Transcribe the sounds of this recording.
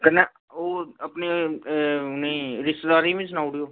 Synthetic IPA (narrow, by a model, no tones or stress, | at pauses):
kəne | oːəpneː | nẽɾɪst̪d̪aːɾiːʋĩːs̬ʊnaːuɽioː